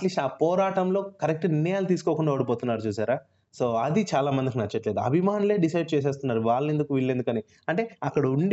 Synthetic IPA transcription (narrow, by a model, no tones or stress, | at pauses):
ʈliːsʈaːpɔːɾaːʈɐmlo̞ːkɐɾek̚ʈninːɛjaːlut̪̬iːsu̥ko̞ːkuɳɖaːoːɽipoːt̪unːaːɾut͡ʃuːsaːɾaː | so̞ːɐd̪it͡ʃaːlaːmɐnd̪ik̬inɐt͡ʃːɐʈle̞ːd̪uɐ̰bʱimaːnule̞ːɖisɐjɖ̚t͡ʃeːs̬eːs̬t̪unːaːɾuʋaːɭɐend̪ukuʋiɭːend̪ukɐni | ɐɳʈe̞ːɐkːɐɽɐuɳɖi